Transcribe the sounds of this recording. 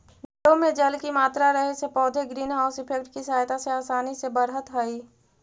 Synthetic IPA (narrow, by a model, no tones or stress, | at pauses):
nɪʈomẽd͡ʒəlkimaːt̪ɾaɾəɦesepɔːd̪ʱeɡɾiːnɦaʊsɪpʰek̚ʈkisajt̪aseaːsaːnisebəɾɦət̪ɦəi